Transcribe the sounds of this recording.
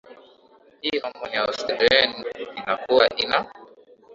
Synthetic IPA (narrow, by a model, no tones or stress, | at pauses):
hihɔmɔniaɔstɛdɛninakuwaʔina